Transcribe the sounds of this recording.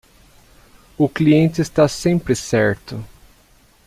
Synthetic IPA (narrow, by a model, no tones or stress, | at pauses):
ʊkliẽnt͡ʃɪːst̪asẽpɾɪsɛɾt̪ʊ